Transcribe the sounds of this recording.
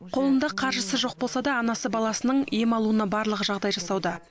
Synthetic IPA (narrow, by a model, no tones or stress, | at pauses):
qʰo̞lˠənd̪ɑqʰɑɾʒəsəʒo̞q̚bo̞lˠsɑd̪ɑːnɑsəbɑlˠɑsənəɴjemɑlˠuənɑbɑɾlˠəʁəʒɑʁd̪ɑjʒɑsɑwd̪ɑ